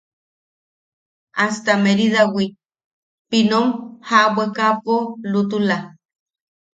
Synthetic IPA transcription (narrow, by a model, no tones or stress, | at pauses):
ast̪ameɾiðawi | pinomhawekapolut̪ula